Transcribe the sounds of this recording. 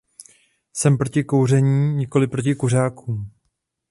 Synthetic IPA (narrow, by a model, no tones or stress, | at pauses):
sɛmpɾo̞cɪko̞wrɛɲiːɲɪko̞lɪpɾo̞cɪkur̝aːkuːm